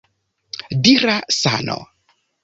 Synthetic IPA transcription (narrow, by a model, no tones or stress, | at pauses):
diɾasa̰no̰